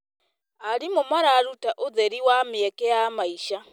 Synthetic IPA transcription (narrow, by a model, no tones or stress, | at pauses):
aɾimumaɾaɾutaʔuzeɾiwamiekejamaiʃa